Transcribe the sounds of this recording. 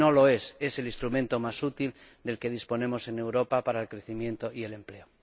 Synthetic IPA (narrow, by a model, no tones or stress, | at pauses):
o̞lo̞e̞se̞se̞list̪ɾumẽ̞nt̪o̞masut̪ild̪e̞lke̞ð̞ispo̞nẽ̞mo̞se̞ne̞wɾo̞papaɾaelkɾe̞θimjẽ̞nt̪o̞ʔie̞le̞mple̞o